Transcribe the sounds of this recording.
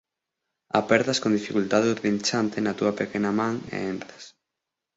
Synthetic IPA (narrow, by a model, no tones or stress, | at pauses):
a̰pɛɾðɐskõnd̪ifikult̪aðeuðĩnt͡ʃant̪enɐt̪uɐpekenɐmãŋḛent̪ɾas